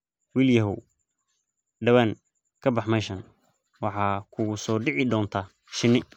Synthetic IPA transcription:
wiːljɐɦʊw | ɖɐβan | kʰɐbɑħmɛʃɐn | wɑħɑːkʰʊsɔːɖɪʕɪd̪ɔːnt̪ʰa | ʃɪnɪ

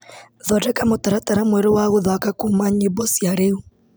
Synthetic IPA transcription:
ðɔɾɛkamotaɾataɾamwɛɾowaɣoðakakuːmaɲeβɔsjaɾeu

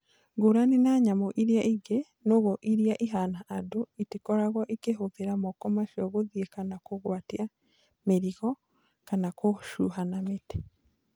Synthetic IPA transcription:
ɡuɾaninaɲamoʔiɾiaʔiɡe | noɣɔʔiɾiaʔiɦanaʔːdoitikɔɾaɣɔʔikeɦoðeɾamɔkɔmaʃɔɣoðiekanakoɣwatia | meɾiɣɔ | kanakoʃuɦanamete̥

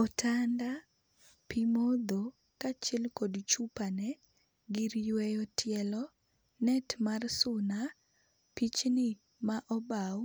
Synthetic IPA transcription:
ɔtʰanda | pimod̪o | kat͡ʃɛlkodt͡ʃupanɛ | ɡiɾjwɛjɔtɪjɛlɔ | nɛtmarsʊna | pit͡ʃnɪ | maʔɔbaw

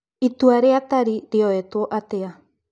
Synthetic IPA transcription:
it̪uaɾeat̪aɾiɾeoet̪uoʔatea

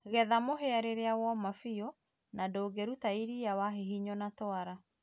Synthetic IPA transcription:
ɣɛðamoɦeaɾeɾeaɣwɔmafio | nadoːɡɛɾutaiɾijawaɦeɦiɲɔnatɔaɾa

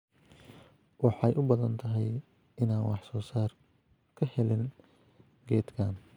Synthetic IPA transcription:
wɑħɑjʔʊbɐðɐnt̪ʰɐɦɛj | ɪnaːnwʔɑħsɔːsaːr | kʰɐhɛlɪn | ɡɛːd̪kʰaːn

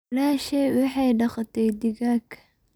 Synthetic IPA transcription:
laːʃɛjwɑħɑjɖɑχɑt̪ʰɛjd̪ɪɣaːkʰɐ̥

